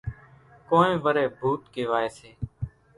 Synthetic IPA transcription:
kõːnẽːʋəɾeːbʱuːt̪keːʋaːeːseː

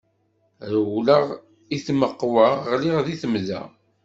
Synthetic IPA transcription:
ɾwləʁ | iθməqːwaʁliʁðiθəmðæ̰

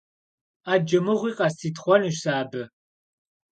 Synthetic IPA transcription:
aːd͡ʒɐmɨʁʷiːqʼɑstiːtχʷɔnɨʃsaːbɨ

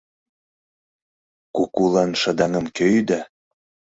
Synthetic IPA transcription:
kukulɑnʃə̆d̪ɑŋə̆mkøjd̪æ

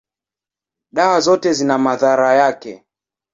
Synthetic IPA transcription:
ɗawazɔtɛzinamaðaɾajakɛ

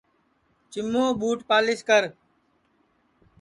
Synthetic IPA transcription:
t͡ʃɪmːoːɓuːʈpaːlɪskəɾ

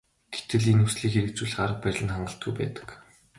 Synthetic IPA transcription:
ɡ̥e̥t̪ɘ̆ɮinusɮiːxeɾɘ̆k̚t͡suːɮɢaɾə̆q̚pæɾʲɮə̆nχaɴɢə̆ɬt̪̚ɡujpæ̰ːt̪ə̥̆k

